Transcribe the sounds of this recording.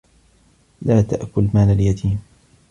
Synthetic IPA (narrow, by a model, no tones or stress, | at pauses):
laːt̪a̰ʔkʊlmaːlaljat̪ʰiːm